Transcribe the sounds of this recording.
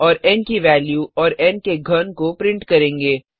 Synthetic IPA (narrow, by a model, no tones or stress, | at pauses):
ɔːɾɛːnkiʋɛːljuɔːɾɛːnkeɡʱɐnkopɾɪ̃ɳʈkɐɾẽːŋɡeː